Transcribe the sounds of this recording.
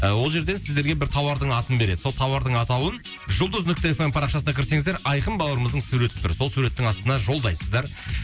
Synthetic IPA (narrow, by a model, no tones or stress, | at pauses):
əwo̞lˠʒe̞ɾd̪e̞nsɪzd̪eɾɡʲe̞bɪɾt̪ʰɑwɑɾd̪əɴɑt̪ənbe̞ɾe̞d̪ɪso̞lˠt̪ʰɑwɑɾd̪əɴɑt̪ɑwən | ʒʊlˠd̪əznʏk̚t̪ɪefempʰɑɾɑχʃɑsəɑkʲʰɪɾse̞ŋɪzd̪eɾʔɑjqəmbɑlˠəɾəməzd̪əɴsuɾe̞t̪ɪp̚t̪ʰʏɾso̞lˠsuɾe̞t̪ːɪŋɑst̪ənɑʒo̞lˠd̪ɑjsəzd̪ɑɾ